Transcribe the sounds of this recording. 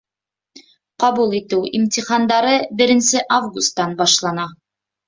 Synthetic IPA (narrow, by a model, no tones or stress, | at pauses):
qɑβulˠit̪ɘwimt̪ʲiχɑnd̪ɑɾɤbɘ̆ɾɘ̆nsɘʔavɡust̪ːɑnbɑʃlˠɑnɑ